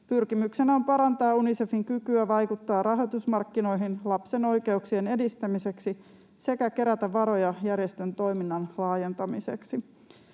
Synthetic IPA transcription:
pyrkimykse̞næompɑɾɑnt̪ɑːunisefiŋkykyæʋɑjkut̪ːɑːrʔɑɦo̞t̪usmɑrkːino̞jɦinlɑpse̞no̞jke̞uksiene̞dist̪æmise̞ksi | se̞kæke̞ɾæt̪æʋɑɾo̞jɑjærjest̪ø̞nt̪o̞jminːɑnlɑːje̞nt̪ɑmise̞̰ksi

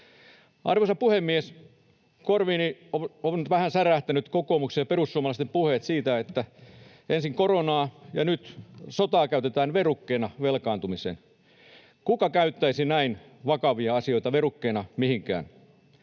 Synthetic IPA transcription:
ʔɑ̰rʋosɑpuhemːies | korʋiːnioonʋæhænsæræht̪ænyt̪kokoːmuksejɑperusːuomɑlɑst̪empuhet̪siːt̪æet̪ːæ | ʔensiŋkoronɑːjɑ̰nyt̪sot̪ɑːkæyt̪et̪æːnʋerukːeːnɑʋelkɑːnt̪umisḛn | kukɑkæyt̪ːæisinæin | ʋɑkɑʋiɑɑsioit̪ɑʋerukːeːnɑmihiŋkæ̰ːn

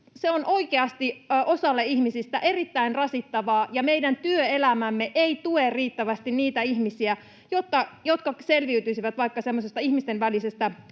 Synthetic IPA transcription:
seonʔo̞ikeɑst̪iʔosɑlːeihmisist̪æʔe̞rit̪ːæinrɑsit̪ːɑʋɑːjɑmeidænt̪yøelæmæmːeʔeit̪uerriːt̪ːæʋæst̪inniːt̪æihmisiæ | jot̪ːɑjot̪kɑse̞lʋiyt̪yisiʋæt̪ʋɑikːɑsemːosest̪ɑihmist̪enʋælisest̪æ

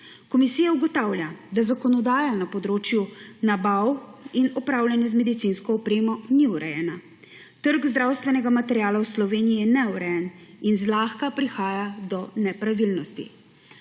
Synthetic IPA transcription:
kɔmisiːjauɡɔt̪awlʲjad̪azakɔnɔd̪aːjanapɔd̪ɾoːt͡ʃjunabawinɔpɾaːwlʲjanjɛzmɛd̪it̪sinskɔːpɾeːmɔniuɾɛjɛna | t̪əɾɡzd̪ɾaːwst̪ʋɛnɛɡamat̪ɛɾʲjaːlawslɔʋeːniijɛnɛuɾɛjɛninzlaːxkapɾixaːjad̪ɔnɛpɾaʋilnɔst̪ḭ

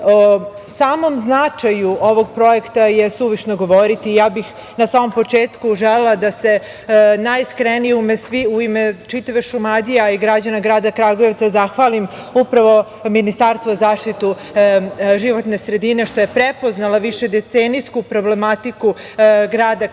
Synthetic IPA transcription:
o | saːmo̞mznat͡ʂajuo̞ʋo̞ɡ̚pɾo̞e̞kt̪ajesuʋiʃnoɡo̞ʋo̞ɾit̪iːjaːbix | nasaːmo̞mpo̞t͡ʂeːt̪kuʒelelˠad̪ase̞ | najskɾenijumesʋiuimet͡ʃit̪aʋeʃumad̪ijaiɡɾad͡ʑanaɡɾaːd̪akɾaɡoje̞ʋt̪sazaxʋalim | upɾaʋo̞ | minist̪aːɾst̪voazaːʃt̪it̪u | ʒiʋo̞t̪ne̞sɾe̞d̪ine̞ʃt̪o̞je̞pɾepo̞znalaʋiʃe̞d̪et̪seːnijskupɾo̞ble̞mat̪ikuɡɾaːd̪a

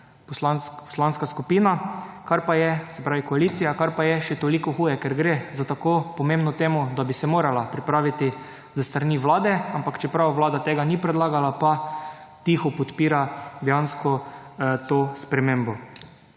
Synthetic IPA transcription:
pɔslanskpɔ̥slanskaskupiːnakaɾpajɛsɛpɾaːʋikɔaliːt̪sijakaɾpajɛʃɛt̪olikɔxuːjɛkɛɾɡɾezat̪akopɔmẽmbnɔt̪eːmʊd̪abisɛmoːɾalapɾipɾaːʋit̪i | zəst̪ɾaniʋlaːd̪ɛampakt͡ʃɛpɾawʋlaːd̪at̪eːɡanipɾɛd̪laːɡalapa | t̪ixɔpɔt̪piːɾad̪ɛjanskɔt̪oːspɾɛmẽːmbɔ

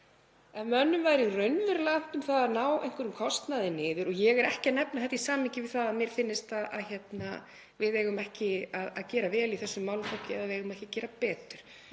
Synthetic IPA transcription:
ɛnmœnːʏmvaːjɾirœɥnvʏɾlan̥t̪ʏmθaðanaːwʔɛ̰jŋ̥kʏɾʏmkʰɔst̪naðɪnɪːðʏɾɔjɛɣɛɾɛhcɪanɛpnaθɛht̪ːisaːmɪcɪvɪðθaðaðmjɛɾ̥fɪnːɪst̪aða̰ðçɛt̪na | vɪðeːjɣʏmɛhcɪaðaðcɛːɾavɛːliθɛsːʏmːawlfɔhcɪɛ̰ðavɪðeɣʏmɛhcɪcɛːɾapɛːt̪ʏɾ̥

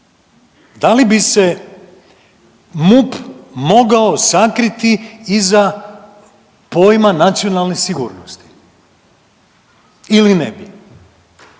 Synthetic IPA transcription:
d̪alibise̞ | mupmo̞ɡao̞sakɾit̪iiza | po̞jmanat̪sijo̞nalˠnesiɡuːɾnost̪i̥ | ilinɛ̰bi

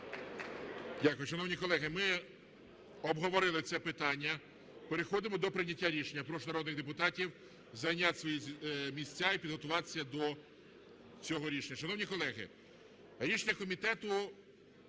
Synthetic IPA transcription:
dʲakʊjʊʃɐnɔwnʲikɔlˠɛɦɪmɪ | ɔbɦɔʋɔɾɪlˠɪt̪sɛpɪt̪ɑnʲːɐ | peɾexɔd̪ɪmɔd̪ɔpɾɪnʲɐtʲːaɾʲiʃenʲːɐpɾɔʃnɐɾɔd̪nɪɣd̪epʊt̪ɑtʲiw | zɐjnʲat̪ʲsʋɔjimʲisʲt͡sʲaipʲid̪ɦɔt̪ʊʋɑt̪e̥sʲːɐd̪ɔ | t͡sʲɔɦɔɾʲiʃenʲːɐʃɐnɔwnʲikɔlˠɛɦɪ̰ | ɾʲiʃenʲɐkɔmʲit̪ɛt̪ʊ

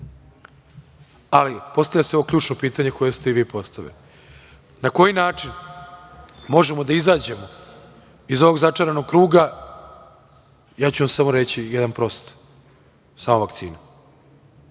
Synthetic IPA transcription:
alipo̞st̪avlʎaseo̞ʋo̞kʎuːt͡ʂnopiːt̪aɲe̞ko̞jest̪eiʋiːpo̞st̪aʋḛi | nako̞jinaːt͡ʂin | mo̞ʒe̞mod̪aizaːd͡ʑe̞mo̞ | izo̞ʋo̞ɡzat͡ʂaɾano̞ɡ̚kɾuːɡa | jaːt͡ɕuʋamsamo̞ɾe̞t͡ɕijed̪anpɾo̞st̪ | saːmoʋakt̪sḭːna

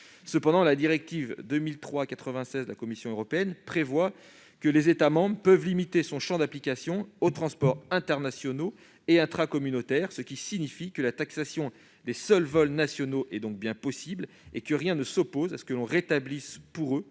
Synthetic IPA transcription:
səpɑ̃d̪ɑ̃lad̪iʁɛk̚t̪ivd̪ømilt̪χwakat̪χəvɛ̃sɛzəlakɔmisjɔ̃øʁɔpeɛnpχevwa | kəlezet̪amɑ̃bʁəpœvlimit̪esɔ̃ʃɑ̃d̪aplikʲasjɔ̃ot̪χɑ̃spɔʁɛ̃t̪ɛʁnasjɔno | eɛ̃t̪χakɔmynot̪ɛʁsəkʲisiɲifikəlat̪aksasjɔ̃ | d̪esœlvɔlnasjɔnoʔɛd̪ɔ̃k̚bjɛ̃pɔsibl | ekəʁjɛ̃nəsɔpozasə̥kəlɔ̃ʁet̪ablispuʁø

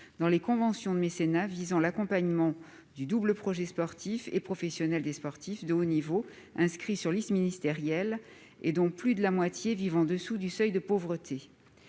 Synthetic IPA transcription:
d̪ɑ̃lekɔ̃vɑ̃sjɔ̃d̪əmesenavizɑ̃lakɔ̃paɲmɑ̃ | d̪yd̪ubləpχɔʒɛspɔʁt̪ʰifḛpχɔfɛsjɔnɛld̪espɔʁt̪ifd̪əonivo | ɛ̃skχisyʁlisminist̪eʁjɛl | ed̪ɔ̃plyd̪əlamwat̪jevivɑ̃d̪əsud̪ysœjd̪əpovʁət̪ʰe

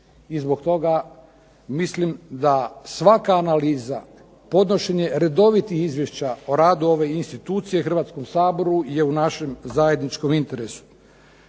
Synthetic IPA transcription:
izbo̞kt̪o̞ɡa | mislimd̪asʋakaːnaliːza | po̞d̪no̞ʃeɲe̞ɾe̞d̪o̞ʋit̪ixizʋjeʃt͡ɕaoɾaːd̪uo̞ʋe̞inst̪it̪uːt̪sije̞xr̩ʋaːt̪sko̞msaːbo̞ɾuje̞unaʃe̞mzaje̞d̪nit͡ʃko̞mint̪e̞ɾesu̥

